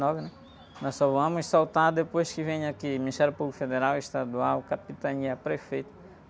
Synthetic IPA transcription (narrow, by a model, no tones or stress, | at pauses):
nɔvɪnɛ | nɔssɔvɐ̃mʊssawt̪aɾd̪epojskɪvẽɲakiminiʃt̪ɛɾjʊpublkʊfed̪eɾaweʃt̪ad̪uawkapit̪aɲiɐpɾefejt̪ɐ̥